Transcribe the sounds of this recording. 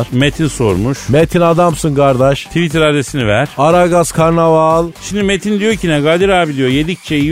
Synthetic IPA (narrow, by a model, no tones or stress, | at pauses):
ɾmet̪ʰinso̞ɾmuʃmet̪ʰinad̪amsɯnkʰaɾd̪aʃt̪ʰivit̪ʰiɾaɾd̪esinivæɾ̥aɾaɡazkʰaɾnavalˠʃimd̪imet̪ʰind̪ijo̞ɾcʰinɛɡad̪iɾaːbilʲijojed̪ic̚t͡ʃʰeji